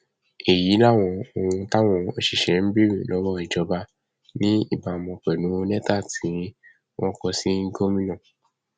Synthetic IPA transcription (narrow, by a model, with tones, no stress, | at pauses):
e˨ji˨˦la˦˨w̃ɔ̃˧o˧wũ˧ta˦w̃ɔ̃˧o˧ʃi˨ʃɛ˨˦m̩˦bi˦ɾĩ˨lɔ˨˦wɔ˦i˨d͡ʒɔ˨˧˦ba˧ | nĩ˦ḭ˦˨ba˨mɔ̃˧k͡pɛ˨nũ˨˦o˧˦nɛ̃˦ta˦˨tʰĩ˨˦i˦ | wɔ̃˦kɔ˧si˦ŋ̩˦ɡo˦mĩ˦nã˦˨